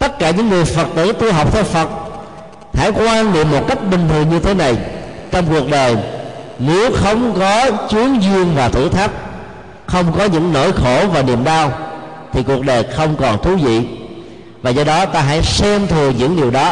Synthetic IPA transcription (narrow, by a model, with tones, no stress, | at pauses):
t̪ə˦˥t̚kaː˧˩ɲɨ̰˧˥ŋːɨ˨˩əjfə˨˩t̚t̪əː˨˦t̪i˧ɦa˨˩wk͡p̚t̪ʰɛ˧wfə˨˩t̚ | ha̰˧˥jkwaː˧nnḭ˧˨əmːo˨˩t̚ka˦˥jk̟̚ɓï˨˩ŋ̟t̪ʰɨ˨˩əŋɲɨ˧t̪ʰe˨˦na˨˩j | t͡ɕɔ˧wŋ͡mku˨˩ək̚ɗəː˨˩jne˨˦wxə˧wŋ͡mkɔ˨˦t͡ɕwi˨˦əŋzɨ˧əŋvaː˨˩t̪ʰɨ̰˧˥t̪ʰaː˦˥t̚ | xə˧wŋ͡mkɔ˨˦ɲɨ̰˧˥ŋno̰˧˥˨jxo˧˩vaː˨˩nḭ˧˨əmɗaː˧w | t̪ʰi˨˩ku˨˩ək̚ɗəː˨˩jxə˧wŋ͡mkɔ˨˩nt̪ʰu˨˦zḭ˧˨ | vaː˨˩zɔ˧ɗɔ˨˦t̪aː˧ɦa̰˧˥jsɛ˧mt̪ʰɨ˨˩əɲɨ̰˧˥ŋɗi˨˩əwɗɔ˨˦